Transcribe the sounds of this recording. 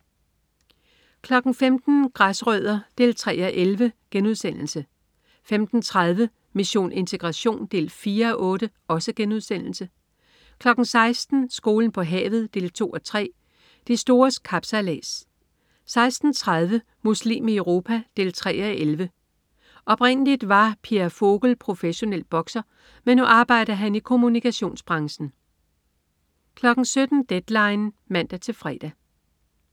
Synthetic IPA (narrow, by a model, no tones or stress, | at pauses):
kʰlɒ̽ɡ̥n̩femd̥n̩ɡ̥ʁasʁœð̞ˠɐd̥e̝̰ːlt͡sʰʁɛ̰ːɒʔelʋəɡ̥enuð̞ˠsen̰l̩sə | femd̥n̩t͡sʰʁað̞ˠʋə | miɕo̝̰ːnʔe̝nt͡sʰe̝ɡ̥ʁɑ̈ɕo̝̰ːnd̥e̝̰ːlfiːɐɒ̽ʔɔ̽ːɾə | ɒ̽səɡ̥enuð̞ˠsen̰l̩sə | kʰlɒ̽ɡ̥n̩sɑ̈ɪsd̥n̩sɡ̥o̝ːln̩pʰɒ̽ɦɛ̰ːʊð̞̩ˠd̥e̝̰ːlt͡sʰo̝̰ːɒ̽t͡sʰʁɛ̰ː | d̥isd̥o̝ːɐskʰɑ̈b̥sælɛ̰ːs | sɑ̈ɪsd̥n̩t͡sʰʁað̞ˠʋə | muslḭːmiəʊʁo̝ːpʰæd̥e̝ːlt͡sʰʁɛ̰ːɒʔelʋə | ʔɒ̽b̥ʁen̰əlid̥ʋɑ̈pʰiæfo̝ɡ̥l̩pʰʁo̝feɕo̝nel̰d̥̚b̥ɒ̽ɡ̥sɐ | menːuʔɑ̈ːb̥ɑ̈ɪ̰d̥ðɦænikʰo̝munikʰæɕo̝̰ːnsb̥ʁɑ̈ŋɕn̩ | kʰlɒ̽ɡ̥n̩sød̥n̩d̥ed̥lɑ̈ɪn | mæn̰d̥æt͡sʰe̝lfʁɛ̰ːd̥æ